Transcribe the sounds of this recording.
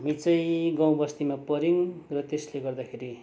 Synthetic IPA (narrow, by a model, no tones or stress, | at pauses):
mit͡sʌ̃j̃ɡãw̃bʌst̪imapʌɾiŋrʌt̪esleɡʌrd̪akʰeɾi